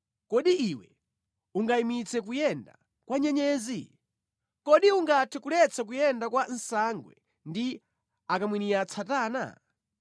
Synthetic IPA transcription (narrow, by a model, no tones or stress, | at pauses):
kɔɗiiwɛ | uŋɡaimit͡sʰɛkujɛnda | kwaɲɛɲɛːzi | kɔɗiuŋɡatʰɛkulɛt͡sʰak̬ujɛndakwan̩saŋɡwɛ̰ | ndi | akamwiniat͡sʰataːna̰